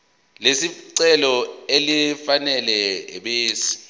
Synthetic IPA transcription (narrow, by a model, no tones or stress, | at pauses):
lesiǀɛlɔelifanɛlɛɓeːsi̥